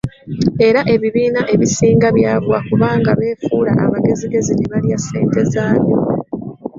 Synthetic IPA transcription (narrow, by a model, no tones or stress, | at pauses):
e̞ɾaʔe̞βiβiːnaʔe̞βisiːŋɡaβjaːβwakuβaːŋɡaβe̞ːfuːla̰ʔa̰βaɡe̞ziɡe̞zineβaljase̞̰ːnte̞zaːβo